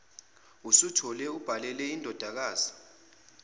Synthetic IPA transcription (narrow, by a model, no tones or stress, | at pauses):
usutʰɔlɛub̥ʱalɛlɛindʱɔd̥ʱak̬aːzi